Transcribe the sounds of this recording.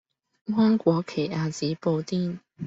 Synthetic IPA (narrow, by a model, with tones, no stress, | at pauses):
hwa˥nkwɔ˨˦kʰe˨˩a˧˩t͡ɕi˨˦po˧t̪i˥˧˨ŋ